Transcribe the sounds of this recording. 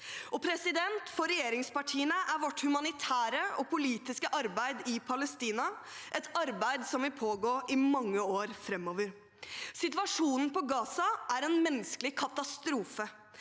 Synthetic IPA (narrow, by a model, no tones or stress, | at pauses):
ɔpʰɾɛsɪd̪ɛnt̪fɔɾɛjeːɾɪŋspɑʈʰiːənəʔæɾʋɔʈːhʉmɑnɪt̪ʰæːɾəɔpʊliːt̪ɪskəʔɑɾbæɪd̪ɪpʰɑləst̪iːnɑ | ʔɛt̪ɑɾbæɪd̪sɔmʋɪpʰoːɡoːɾʔɪmɑŋːəoːɾfɾɛmːɔʋəɾ | sɪt̪ʋɑʂuːnn̩pɔɡɑːsɑʔæɾɛnmɛnːskəlɪkʰɑt̪ɑst̪ɾuːfə